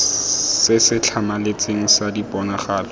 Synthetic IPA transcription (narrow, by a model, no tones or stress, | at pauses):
sɪsɪt͡ɬʰamalet͡sʼeŋ̩sadipʼɔnaχaːlɔ